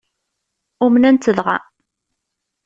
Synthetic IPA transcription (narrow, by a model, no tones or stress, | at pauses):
ʊmənænt̪ːəðʁæ̰